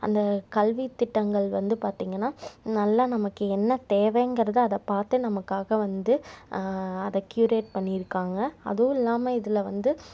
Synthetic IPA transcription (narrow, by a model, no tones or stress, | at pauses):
ɐ̰nd̪ɐkɐlʋit̪ːɪʈːɐŋɡɐɭʋɐnd̪ɯpaːɾt̪iːŋɡɐnːaːnɐlːɐnɐmɐkːɯɛnːɐt̪eːʋeːŋɡɐɾɐðɯɐðɐpaːɾt̪ɯnɐmɐkːaːɣɐʋɐnd̪ɯ | ɐðɛkjuːɾeːʈ̚pɐɳːɪɪɾɯkːaːŋɡɐɐ̰ðoːɪlːaːmɐɪðɪlɐʋɐnd̪ɯ